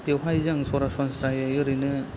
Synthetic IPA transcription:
bewɦajzaŋsɔɾasɔnsɾajajɯɾɯnɯ

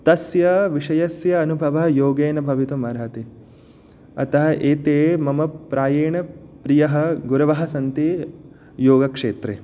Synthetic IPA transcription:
t̪ɐsjɐʋiʂɐjɐsjɐːnubʱɐʋɐɦjoːɡeːnɐbʱɐʋit̪umɐɾɐt̪e | ɐ̰t̪ɐɦɐ̆ʔeːt̪eːmɐmɐpɾaːjeːɳɐpɾijɐɦɐ̆ɡuɾɐʋɐɦɐ̆sɐnt̪e | joːɡɐkʂḛːt̪ɾeː

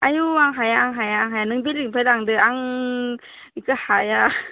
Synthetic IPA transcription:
ʔajuaŋɦajaːŋɦajaːŋɦajanɯŋbiliŋpʰadaŋdɯaŋ | ikɯhaja

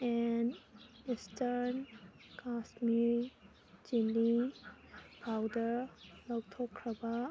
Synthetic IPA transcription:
ɛn | istʰɐɾn | kasmiɾ | d͡ʒilːi | pʰawdɐɾlɐw̚tʰokʰːɾɐba

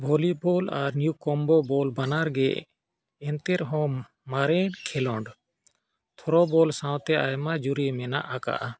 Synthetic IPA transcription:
bʱɔlibɔla̰ɾnjukɔmbɔbɔlbanaɾɡɛʔ | ɛnt̪ɛɾɦɔ̃ | maɾɛnkʰɛlɔɳɖ | t̪ʰɔɾɔbɔlsãwt̪ɛʔajmad͡ʒuɾimɛna̰ʔaka̰ʔa

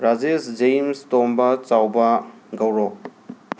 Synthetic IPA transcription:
ɾad͡ʒesd͡ʒejmstombɐt͡ʃawbɐɡɐwɾɔ

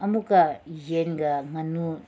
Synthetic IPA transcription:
ɐmukajenɡamɐnu

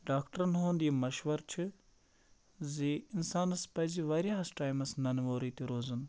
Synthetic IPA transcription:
ɖaːkʈɐɾɐnɦoːnd̪iɐmɐʃʋɐɾt͡ʃʰɨ | ziɪnsaːnɐspɐjziʋaːɾʲjaːɐsʈaːjmɐsnɐnʋoːɾiːt̪iɾoːzɐn

